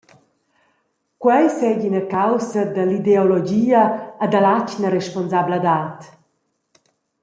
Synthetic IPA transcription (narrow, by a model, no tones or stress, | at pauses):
kwɛjsɛɡinakawsəd̪əlid̪eolɔd͡ʒiːəːd̪alacnəɾɛʃpɔnzablad̪aːt̪